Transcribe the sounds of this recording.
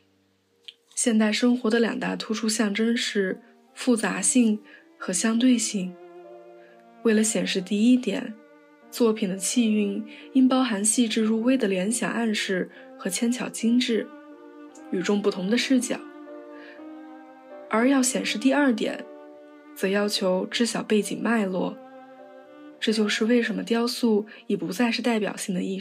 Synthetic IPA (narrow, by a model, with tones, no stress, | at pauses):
ɕjɛ˥˧nt̪a˥˩ɪʂɤ˥ŋxwɔ˧˥d̪ə˧ljɑ̰˨˩ŋt̪a˥˩t̪ʰu˥ʈ͡ʂʰu˥ɕjɑ˥˩ŋʈ͡ʂə˥ŋʂɻ̩˥˩ | fu˥˩t͡sa˧˥ɕi˥˧ŋ | xɤ˧˥ɕjɑ˥ŋt̪̬we˥˧ɪɕi˥˩ŋ | we˥˩ɪlə˩ɕjɛ˨˩nʂɻ̩˥˧t̪i˥˩i˥t̪jɛ̰˨˩˦n | t͡swɔ˥˩pʰi˨˩nd̪ə˦t͡ɕʰi˥˧y˥˩ni˥npɑ˥ʊxa˧˥nɕi˥˧ʈ͡ʂɻ̩˥˧ɻu˥˧we˥ɪd̪ə˨ljɛ˧˥nɕjɑ̰˨˩ŋʔa˥˧nʂɻ̩˥˩ | xɤ˧˥t͡ɕʰjɛ˥nt͡ɕʰjɑ˨˩ʊt͡ɕi˥ŋʈ͡ʂɻ̩˥˩ | y˨˩ʈ͡ʂʊ˥ŋpu˥˩t̪ʰʊ˧˥ŋd̪ə˧ʂɻ̩˥˧˩t͡ɕjɑ̰˨˩˦ | ə˞˧˥jɑ˥˩ʊɕjɛ˨˩nʂɻ̩˥˧t̪i˥˧ɐ˞˥˩t̪̬jɛ̰˨˩˦n | t͡sɤ˨˩jɑ˥ʊt͡ɕʰjo˧˥ʊʈ͡ʂɻ̩˥ɕjɑ˨˩ʊpe˥˩ɪt͡ɕḭ˨˩ŋma˥˧ɪlwɔ˥˩ | ʈ͡ʂɤ˥˧t͡ɕjo˥˧ʊʂɻ̩˥˧we˥˩ɪʂə˧˥nmə˧t̪̬jɑ˥ʊsu˥˩ | i˨˩pu˧˥t͡sa˥˧ɪʂɻ̩˥˧t̪a˥˩ɪpjɑ̰˨˩ʊɕi˥˩ŋd̪ə˧i˥˩